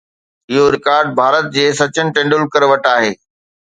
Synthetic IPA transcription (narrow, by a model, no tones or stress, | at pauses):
ɪɦoɾɪkaːɾɖ̚bʱaːɾət̪̚d͡ʑeːsɐt͡ɕənɪ̆ʈẽːɳɖʊlkəɾʋɐʈaːɦeː